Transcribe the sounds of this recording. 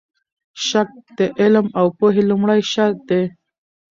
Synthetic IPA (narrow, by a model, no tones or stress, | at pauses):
ʃak̚d̪eʔɪlmawpoɦelʊmɽajʃaɾd̪e